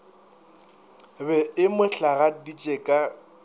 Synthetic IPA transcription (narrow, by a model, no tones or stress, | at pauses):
bɛɪmʊɬaɣadit͡ʃʼekʼa